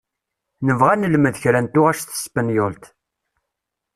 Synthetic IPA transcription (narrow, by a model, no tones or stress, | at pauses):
nəvʁænəlməðçɾænt̪ʊʁæʃθə̥spənjʊlt̪